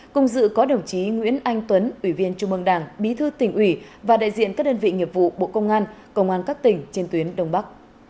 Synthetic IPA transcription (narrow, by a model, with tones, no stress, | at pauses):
kʊ˧˩ŋ͡mzɨ̰˧˨kɔ˨˦ɗə˨˩wŋ͡mt͡ɕi˨˦ŋwḭ˧˥ənʔa˧jŋ̟t̪wə˨˦nʔwi˧˩vi˧ənt͡ɕʊ˧ŋ͡mʔɨ˧əŋɗaː˧˩ŋɓi˨˦t̪ʰɨ˧t̪ï˨˩ŋ̟ʔwi˧˩ | vaː˨˩ɗa̰ː˧˨jzḭ˧˨ənkaː˦˥k̚ɗəː˧nvḭ˧˨ŋi˨˩əp̚v̥ṵ˧˨ɓo̰˧˨kə˧wŋ͡mʔaː˧nkə˧wŋ͡mʔaː˧nkaː˦˥k̚t̪ï˨˩ŋ̟t͡ɕe˧nt̪wi˨˦ənɗə˧wŋ͡mɓa˦˥k̚